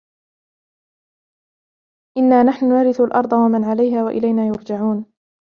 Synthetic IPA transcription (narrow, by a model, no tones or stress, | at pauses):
ʔɪnːaːnaħnʊnaːɾɪθalʔɑɾˤd̪ˤɑwamanʕalajɦaːwaʔɪ̰lajnaːjʊɾd͡ʒaʕuːn